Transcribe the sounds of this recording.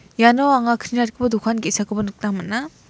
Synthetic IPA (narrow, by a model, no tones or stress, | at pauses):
janoaŋakʰɾinatkʰɯbɐdukʰankisakʰɯbɐnuk̚taŋmana